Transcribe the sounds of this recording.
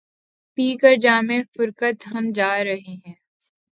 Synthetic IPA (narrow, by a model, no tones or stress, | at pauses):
piːkəɾd͡ʒaːmẽfʊɾkət̪ɦɐmd͡ʒaːɾɐɦeɦɛ̃ː